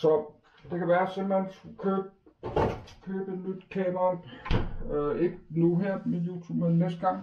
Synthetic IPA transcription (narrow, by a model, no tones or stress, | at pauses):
sɒ̽ | d̥e̝kʰæʋæːɐsem̰b̥l̩ensukʰøːb̥̚ | kʰøːb̥enyd̥kʰɛːmɐn | e̝ɡ̥ənuɦeɐ̰mejut͡sʰumenːesd̥̚ɡ̥ɑ̈ŋ̰